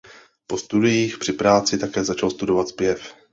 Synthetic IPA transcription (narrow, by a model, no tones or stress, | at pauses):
po̞st̪udɪjiːxpr̥ɪpɾaːt͡sɪt̪akɛːzat͡ʃalst̪udo̞vat̪z̥pjɛf